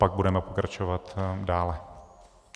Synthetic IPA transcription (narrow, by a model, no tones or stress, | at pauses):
paɡ̚budɛmɛpokɾat͡ʃovat̪daːlɛ